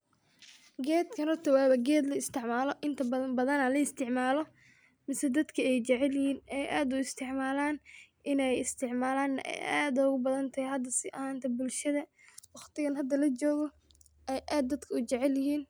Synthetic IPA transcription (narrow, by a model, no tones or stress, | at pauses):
ɡɛːd̪kʰɐnɐt̪ɐwaːβɐɡɛːd̪lɐɪst̪ʰɪʕmaːlɔʔɪnt̪ʰɐɐbɐðɐnɐlɐɪst̪ʰɪʕmaːlɔ | mɪsɛd̪ɐd̪kʰɐɛjt͡ʃɛʕɛljhiːnɛjʔaːd̪ʊɪst̪ʰɪʕmaːlaːnʔɪnɛjɪst̪ʰɪʕmaːlaːnːɐʔɛ̰jaːd̪ɐʊɣʊbɐðɐnt̪ʰɐhjɦɐd̪ɐsɪʔɐ̰haːnt̪ʰɐbʊlʃɐðɐ | wɑχt̪ɪɣɐnɦɐd̪ɐlɐt͡ʃɔːɣɔ | ʔɛjʔaːd̪ːɐd̪kʰɐʊt͡ʃɛʕɛljɐɦiːn